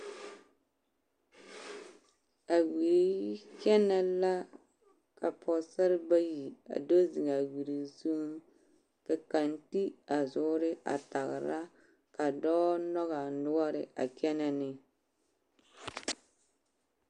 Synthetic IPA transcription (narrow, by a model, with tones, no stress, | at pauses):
a˨weː˨˦kɛ˦na˦la˦ | ka˨pʰɔ˨sa˦ɾɪ˦ba˦ji˨a̰˨do˦zi˨ŋa˨wi˨ɾi˨zu˦m | ka˨ka˨nti˦a˨zʊ˨˦ɾɪ˦a̰˨ta˨ɣɪ˨ɾa˦ | ka˨dɔː˦nɔ˦ɣa˨nʊ˦ɡɔ˦ɾɪ˨a̰˨kɛ˦na˨nɪ˨